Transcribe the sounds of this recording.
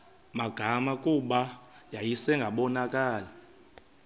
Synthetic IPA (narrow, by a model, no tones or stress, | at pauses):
maɡ̥ʱamakʼuɓajajisɛŋɡʱaɓɔnakʼaːla